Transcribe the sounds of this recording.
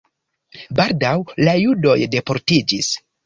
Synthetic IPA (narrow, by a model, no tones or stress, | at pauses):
baldawlajudo̞jde̞po̞ɾtid͡ʒis